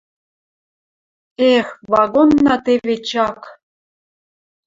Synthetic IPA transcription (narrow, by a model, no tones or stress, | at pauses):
exvɑɣonːɑt̪evet͡ɕɑk